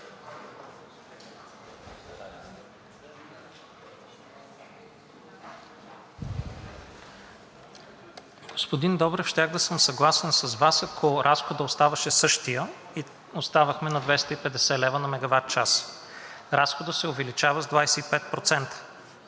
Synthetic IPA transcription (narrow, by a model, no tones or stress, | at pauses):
ɡ̥ospod̪ind̪ɔbɾɛfʃt̪ʲjaxd̪ɐsɤmsɐɡlˠasɛnsɐzvasɐkʰoɾʔasxod̪əost̪avɐʃɛsɤʃt̪ijə | i | ost̪avəxmɛnɐd̪vɛst̪əipɛd̪ɛsɛlɛvənɐmɛɡɐvat̪̚t͡ʃas | ɾasxod̪əsɛovɛlit͡ʃavɐzd̪vajsɛipɛt̪̚pɾot̪sɛnt̪ə̥